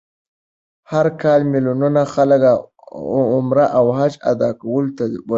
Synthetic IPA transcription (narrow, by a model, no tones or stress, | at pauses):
haɾkɑlmilununaxaləka | ʊmɾaʔawhat͡ʃa̰d̪ɑkawəlot̪ad̪əa